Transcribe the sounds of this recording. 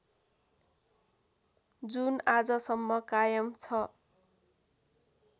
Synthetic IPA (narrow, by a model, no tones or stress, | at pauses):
d͡zunad͡zʌsʌmːʌkajʌmt͡sʰʌ